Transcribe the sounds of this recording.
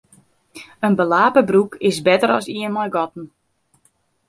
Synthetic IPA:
ənbəlaːpəbrukɪsbɛtəɾɔsiənmɔjɡɔtn̩

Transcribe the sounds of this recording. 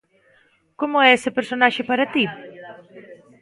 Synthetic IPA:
komʊɛesɪpeɾsonaʃɪpaɾɐt̪i

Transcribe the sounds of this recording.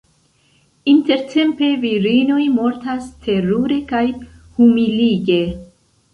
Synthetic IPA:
inte̞ɾtʰe̞mpe̞viɾino̞jmo̞ɾtastʰe̞ɾuɾe̞kajhumiliɡe̞

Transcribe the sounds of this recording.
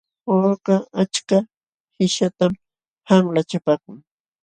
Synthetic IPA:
oːɢaat͡ʃka | hɪʃat̪am | haŋlat͡ʃapaːkʊŋ

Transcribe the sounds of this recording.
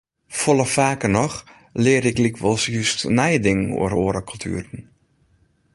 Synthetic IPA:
folˠəfaːkənɔx | lɪəɾɪklikʰʋɔlˠsjystnɛjdɪŋəno̰əɾoəɾəkʰɔlˠtʰy̰ːɾən̩

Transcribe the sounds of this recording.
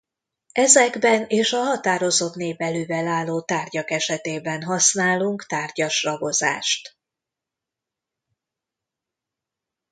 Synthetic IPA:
ɛzɛɡbɛneːʃɒɦɒt̪aːɾo̞zo̞t̪neːvɛløːvɛlaːlːoːt̪aːrɟɒkɛʃɛt̪eːbɛnɦɒsnaːluŋkt̪aːrɟɒʃrɒɡo̞za̰ːʃt̪

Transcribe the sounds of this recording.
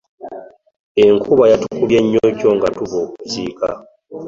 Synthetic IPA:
eŋkʰuβajatukuβjeɲːoco̞ŋɡatuβo̞ːkuziːka̰

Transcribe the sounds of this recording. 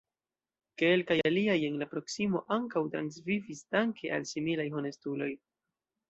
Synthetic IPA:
ke̞lkajaliaje̞nlapɾo̞ksimo̞̰ʔaŋkawtɾa̰nsvivisdaŋkʰe̞ʔa̰lsimilajxone̞stulo̞j

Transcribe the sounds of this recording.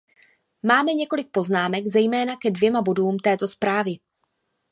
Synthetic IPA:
maːmɛɲɛko̞lɪk̚po̞znaːmɛɡzɛjmɛːnakɛdvjɛmabo̞duːmt̪ɛːt̪o̞spɾaːvɪ

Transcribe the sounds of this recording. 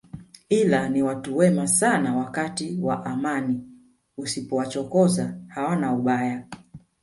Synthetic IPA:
ilaniwatuwɛmasanawakatiwa̰ʔamani | usipɔwat͡ʃɔkɔzahawanauɓaja

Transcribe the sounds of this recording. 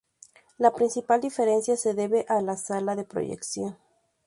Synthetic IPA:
lapɾinsipald̪ife̞ɾe̞nsjase̞ðe̞βeʔalasalaðe̞pɾo̰ʝḛksjo̞n

